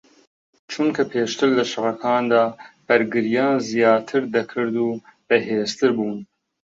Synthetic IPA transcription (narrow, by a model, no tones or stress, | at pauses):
t͡ʃʰuŋkʰɐpʰeːʃt̪ɨɾlɐʃɨʁɐkʰɑːnd̪ɑːb̥ɐɾɡɨɾijɑːnzijɑːt̪ʰɨɾd̪ɐkʰɨɾd̪uːb̥ɛɦeːst̪ʰɨɾbuːn